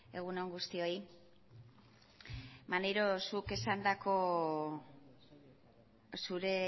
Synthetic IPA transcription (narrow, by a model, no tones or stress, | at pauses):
e̞ɣ̞uno̞ŋɡust̪io̞j | maneɾo̞suke̞sand̪ako̞ | suɾe̞